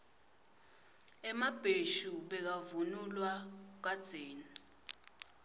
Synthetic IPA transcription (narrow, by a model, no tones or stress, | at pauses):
ɛmab̥ʱeʃuɓɛk̬avunulwak̬ad̥z̥ʱeːni